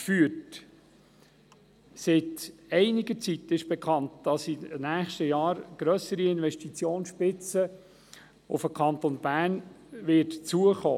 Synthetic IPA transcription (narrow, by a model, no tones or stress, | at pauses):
fyːət | sɪtɛɪnɪɡət͡sitɪʃb̥ɛkʰɑntd̥ɑsinæːχʃtəjɑːɾɡ̥ɾœsəɾiɪnvɛʃtit͡sjoːnsʃpɪt͡sə | ʊ̰fəkʰɑntonbæːn | vɪɾtt͡suəχo̰ː